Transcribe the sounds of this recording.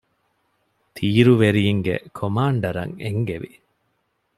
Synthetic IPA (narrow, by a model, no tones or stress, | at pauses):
t̪ʰiːɾuʋeɾijiŋɡḛkʰomaːɳɖɐɾɐ̰ŋeŋɡeʋi